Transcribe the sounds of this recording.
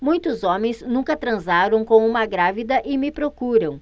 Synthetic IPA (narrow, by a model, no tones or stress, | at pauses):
mũj̃t̪ʊzõmẽj̃znũŋkɐt̪ɾɐ̃zaɾɐ̃w̃kõw̃ũmɐɡɾavid̪ɐʔɪmɪpɾokuɾɐ̃w̃